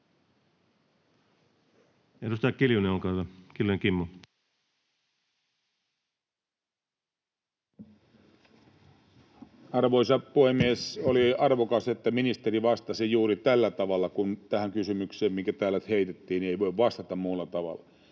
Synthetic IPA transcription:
edust̪ɑkkiljuneulkɑˑːtɑkiljueŋkimːu | ɑrʋoisɑpuhemːiesoliɑrʋokɑset̪ːæminist̪eriʋɑst̪ɑsijuːɾit̪ælːæt̪ɑʋɑlːɑkunt̪æhæŋkysymykseːmmiŋkæt̪æːlæt̪heit̪et̪ːiːnieiʋoiʋʋɑst̪ɑt̪ɑmmuːlːɑt̪ɑʋɑ̰lːˑɑ

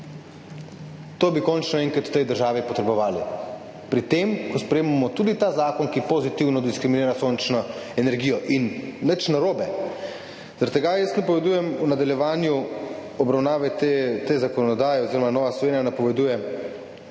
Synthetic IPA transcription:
t̪oːbikɔnt͡ʃnɔɛ̃ŋkat̪u̥wt̪ɛjd̪əɾʒaːʋipɔt̪ɾɛbɔʋaːli | pɾit̪eːmkɔspɾɛjeːmamɔt̪uːd̪it̪azaːkɔnkipozit̪iwnɔd̪iskɾimineːɾasont͡ʃnɔɛnɛɾɡijɔʔinːət͡ʃnaɾoːbɛ | z̥aɾat̪ːɛɡajəsnapɔʋɛd̪uːjɛmunad̪aljɛʋaːnjuɔbɾawnaːʋɛt̪t̪eːzakɔnɔd̪aːjɛoziːɾɔmanɔːʋaslɔʋeːnijanapɔʋɛd̪uːjɛ

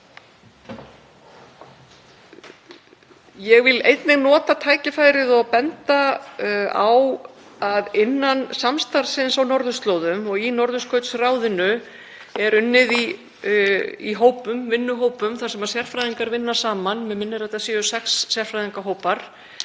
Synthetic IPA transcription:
jɛɣvɪlḛjt̪nɪɣnɔːt̪at̪ʰaːjcɪfaːjɾɪðɔɣpɛnt̪a | a̰w | aðɪnːansamst̪aɾ̥sɪnsawnɔɾðʏst̪loːwðʏmɔɣinɔɾðʏskœːɥt̪sraːwðɪnʏ | ɛɾʏnːɪði | iɦoːwpʏmvɪnːʏɦoːwpʏmθaɾ̥sɛmaðsjɛr̥fɾajðiŋkaɾvɪnːasaːmanmɛðmɪnːɪɾajt̪asiɔsɛksːjɛr̥fɾajðiŋkaɦoːwpaɾ̥

